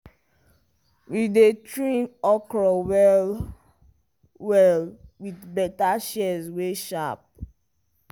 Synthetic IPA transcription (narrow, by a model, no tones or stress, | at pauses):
widetɹĩnɔkɹɔwɛl | wɛlwidbɛtaʃɛzweʃap̚